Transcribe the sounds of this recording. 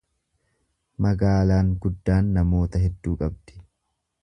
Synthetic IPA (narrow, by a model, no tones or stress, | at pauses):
mɐɡaːlaːŋɡʊd̪ːaːnːɐmo̞ːt̪ɐɦɛd̪ːuːkʼɐbd̪̥ɪ̥